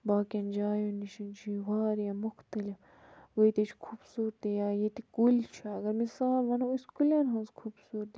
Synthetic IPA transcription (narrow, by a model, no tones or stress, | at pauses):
baːkʲɐnd͡ʒaːjunːiʃint͡ʃʰiwaːɾjɐmʊxt̪ɐlif | ʋɐjt̪et͡ʃʰkʰubsuːɾt̪ijaːjet̪ikult͡ʃʰaɐɡɐɾmisaːlʋɐnɐuskulʲanɦɐ̃nzkʰubsuːɾt̪i